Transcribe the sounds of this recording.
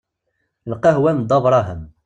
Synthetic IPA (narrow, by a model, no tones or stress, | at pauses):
lqɑɦwænd̪ˤɑvɾˤɑɦəm